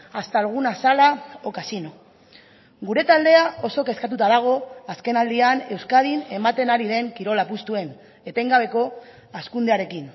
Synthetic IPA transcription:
ast̪alɣ̞unasalao̞kasino̞ | ɡuɾe̞t̪ald̪e̞aʔo̞so̞ke̞skat̪̬ut̪að̞aɣ̞o̞aske̞nald̪iane̞wskað̞ine̞mat̪e̞naɾiðe̞ŋkiɾo̞lapust̪ue̞n | e̞t̪e̞ŋɡaβ̞e̞ko̞ | askund̪eaɾe̞kin

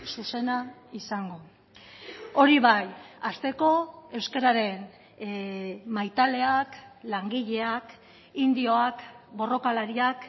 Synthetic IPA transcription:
suse̞naisaŋɡo̞ | o̞ɾiβajast̪e̞ko̞e̞wskeɾaɾe̞n | majt̪ale̞aklaŋɡiʎe̞ak | ind̪io̞akbo̞ro̞kalaɾiak

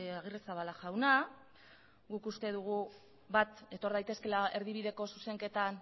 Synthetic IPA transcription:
aɣ̞iresaβalaʝawna | ɡukust̪e̞ð̞uɣ̞u | βat̪e̞t̪o̞ɾð̞ajt̪e̞ske̞lae̞ɾðiβ̞iðe̞ko̞suse̞ŋke̞t̪an

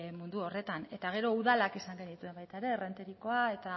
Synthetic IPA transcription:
mund̪uo̞re̞t̪ane̞t̪aɣ̞e̞ɾo̞uðalakisaŋɡend̪it̪ue̞mbajt̪aeɾe̞re̞nt̪eɾiko̞ae̞t̪a

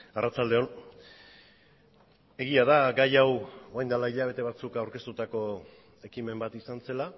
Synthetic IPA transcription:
arat͡ʃald̪e̞o̞n | e̞ɣiaðaɡajawoajnd̪alaiʎaβ̞e̞t̪e̞β̞at͡sukawɾke̞st̪ut̪ako̞ | e̞kime̞mbat̪isanse̞la

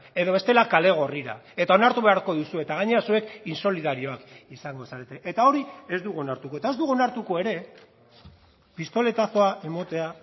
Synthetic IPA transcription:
e̞ðo̞βe̞st̪e̞lakale̞ɣ̞o̞riɾa̰e̞t̪ao̞naɾt̪uβe̞aɾko̞ðusue̞t̪aɣaɲe̞ɾasue̞kinso̞liðaɾio̞akisaŋɡo̞saɾe̞t̪e̞ʔet̪ao̞ɾie̞zd̪uɣuonaɾt̪uko̞e̞t̪aezd̪uɣuonaɾt̪uko̞e̞ɾe̞ | pist̪o̞le̞t̪aso̞ae̞mo̞t̪e̞a

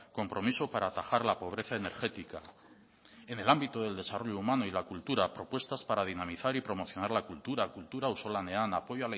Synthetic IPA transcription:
ko̞mpɾo̞misopaɾaːt̪axaɾlapo̞β̞ɾe̞θae̞ne̞̰ɾxe̞t̪ika | e̞ne̞lambit̪oðe̞ld̪e̞saro̞ʎoumanoilakult̪uɾapɾo̞pwe̞st̪aspaɾað̞inamiθaɾipɾo̞mo̞θjo̞naɾlakult̪uɾakult̪uɾauso̞lane̞anapo̞ʝoala

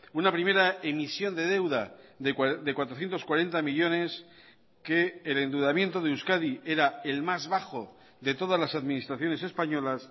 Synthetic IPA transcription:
unapɾime̞ɾaemisjo̞nd̪e̞ð̞e̞wða | d̪ekwat̪ɾoθje̞nt̪o̞skwaɾe̞nt̪amiʎo̞ne̞s | ke̞ːle̞nd̪uðamje̞nt̪o̞ð̞euskaðie̞ɾae̞lmazβaxo̞ | ðe̞t̪o̞ð̞azlasaðmĩnist̪ɾaθjo̞ne̞se̞spaɲo̞las

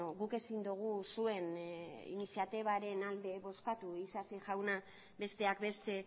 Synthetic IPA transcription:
oɣuke̞sind̪uɣ̞usue̞nḭnisijat̪iβ̞aɾe̞nald̪e̞βo̞skat̪uisasiʝawna | be̞st̪e̞akbe̞st̪e̞

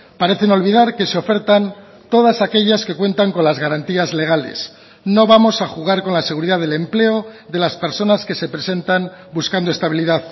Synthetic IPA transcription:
paɾe̞θe̞no̞lβið̞aɾke̞seo̞fe̞ɾt̪an | t̪o̞ð̞asake̞ʎaske̞kwe̞nt̪aŋko̞nlazɣaɾant̪iazle̞ɣ̞alḛs | no̞βamo̞saxuɣ̞aɾko̞nlase̞ɣ̞uɾiðaðe̞le̞mple̞oðe̞laspe̞ɾso̞naske̞se̞pɾe̞se̞nt̪anbuskand̪oest̪aβiliðað

